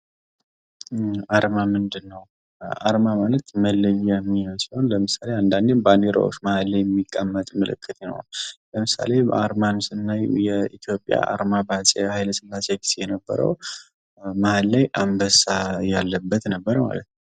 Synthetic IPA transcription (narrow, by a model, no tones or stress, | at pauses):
aɾmamɨnd̪ɨnːəw | ʔaɾmamalət̪məlːɨβijɛmːijosihonləmɨsaleand̪and̪enbaneɾa̰woʃməhalːajɛmːikʼːəmːət̪ʼmɨlɨ̰kʰʼːɨt̪jinə̰onləmɨsa̰le̞aɾmansɨnːajjɛit̪ʰjo̞pʼja̰a̰ɾmabat͡ʃʼehajləsɨlːaseɡi̥sejɛnəbːə̰ɾə̰w | məhalːajʔambəsajalːəbːət̪nəbːəɾəma̰lə̰t̪nəw